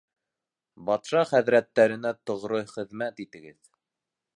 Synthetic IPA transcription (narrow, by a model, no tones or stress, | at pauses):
bɑt̪ʃɑχæðɾæt̪ːæɾɘ̆næt̪ŏʁɾojχɘ̆ðmæt̪it̪ɘ̆ɡɘð